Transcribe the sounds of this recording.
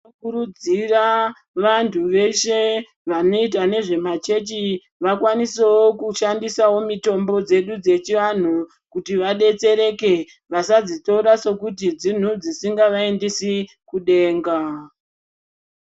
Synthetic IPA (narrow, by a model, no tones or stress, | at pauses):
okuɾud͡zira | ʋantʰuʋe̞ʃe̞ | ʋano̞it̬ane̞ʐe̞mat͡ʃe̞t͡ʃi | ʋakwanisewokuʃandisawo̞mito̞mbo̞d͡ze̞ɗud͡ze̞t͡ʃiʋan̤u | kutiʋaɗe̞t͡se̞ɾe̞ke̞ | ʋasad͡zitoɾaso̞kut̬id͡zin̤ud͡zisiŋɡaʋaendisi | kuɗe̞ːŋɡa